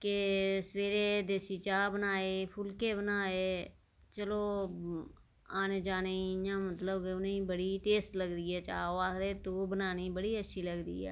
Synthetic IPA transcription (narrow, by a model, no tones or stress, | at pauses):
kesəʋeːɾeːd̪eːsiːt͡ʃaːbənaːeːpʰʊlkeːbənaːeː | t͡ʃəloː | aːneːd͡ʒaːneɲãːmət̪ləbkenibəɽiːʈeːst̪ləɡd̪iːɛːt͡ʃa̰ːoaːkd̪eːt̪oːbənaːniːbəɽiːətːʃʰiːləɡd̪ḭːɛ̰ː